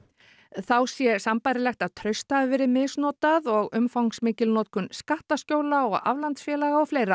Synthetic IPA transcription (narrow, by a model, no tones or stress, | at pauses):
θawsjɛsampajɾɪlɛxt̪aðt̪ʰɾœɥst̪avɛɾɪmɪsnɔːt̪aðɔɣʏmfawŋsmɪːcɪlnɔːt̪̚kʰʏnskaht̪ascoːwlaɔɣa̰vlant̪sfjɛːlaɣaɔwfleːjɾa